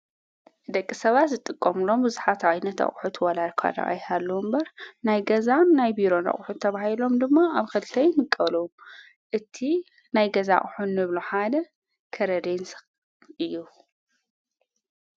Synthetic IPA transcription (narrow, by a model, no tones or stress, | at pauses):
d̪ɐkʼːisɐβat̪zɨt̪ʼɨkʼːɐmɨlo̞mbɨzuħat̪ajnɐt̪ɐ̰χʼħut̪ʰwɐlaɾkʰa̰d̪a̰ʔʼa̰jhalːombɐɾnajɡɐzannajbiɾo̞nɐ̰χʼħut̪ʰːɐβahilo̞md̪ɨmːaaβkʰɐlɨt̪ʰɐjmɨkʼːɐlo | ʔɨt̪ʰi | najɡɐza̰χʼħunːɨβluħad̪ɐ | kʰɐɾɐd̪ens | ʔɨjːu